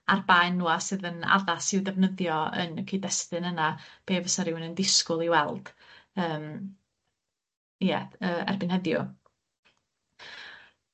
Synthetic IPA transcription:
arbajnːuːasɨːðəna̰ðasɪwdɛvnəðjɔə̰nkʰiːdɛstɨnənab̥eːvəsaɾɪwnəndɪskʊlˠiwɛlˠd̥əːm | jɛəːɛ̰rbɪnhɛðjʊ

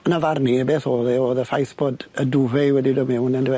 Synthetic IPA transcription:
ənavarnibeːθoːðɛoːðəfajθb̥oːdədʊvɛwɛdidɔmɛwnəndwɛ

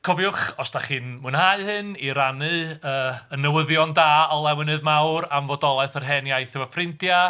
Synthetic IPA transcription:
kʰɔvjʊχɔsd̥aχɨːnmunhaɨhɨniɾanɨəːənəwəðjɔndaːɔlˠɛwɪnɨðmawɾamvɔdɔlˠɛθərɦɛnjajθɪvafrɪntja

